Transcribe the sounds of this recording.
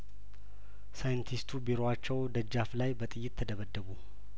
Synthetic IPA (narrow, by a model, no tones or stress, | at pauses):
sajɨnt̪ʰist̪ʰubiɾowat͡ʃːɛwd̪əd͡ʒːaflajbət̪ʼɨjːɪt̪ʰːəd̪əβəd̪ːəβu